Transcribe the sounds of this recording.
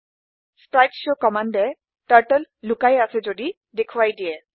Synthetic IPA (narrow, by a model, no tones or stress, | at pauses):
spɹajksokɔmandɛ | ʈaɹʈəlːukajasɛzodi | dekʰuwajdiɛ